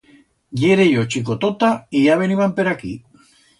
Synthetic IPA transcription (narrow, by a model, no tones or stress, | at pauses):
ʎeɾejot͡ʃikot̪ot̪aiʝaβeniβampeɾakḭ